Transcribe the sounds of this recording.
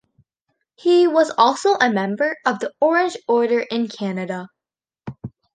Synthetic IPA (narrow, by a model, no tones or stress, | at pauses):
hiwʌzɔlˠsoʊʔəmɛ̃mbə˞ʌvðiɔɹɨ̃nd͡ʒɔɹɾə˞ʔɪ̃nkʰænɨɾə